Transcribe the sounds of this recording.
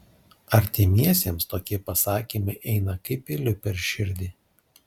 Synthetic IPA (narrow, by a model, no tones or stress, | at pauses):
ɐɾʲt̪ʲɪmʲiɛsʲeːmst̪oːkʲiɛpɐsɑːkʲiːmɐɪʔɛɪnɐkɐɪpʲɪlʲʊpʲɛɾʲʃʲɪɾʲd̪ʲiː